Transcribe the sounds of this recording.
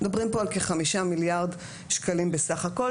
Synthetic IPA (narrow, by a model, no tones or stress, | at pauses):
d̪abʁimpo̞alkeχamiʃamiljaʁd̪ | ʃkalimbesaχako̞l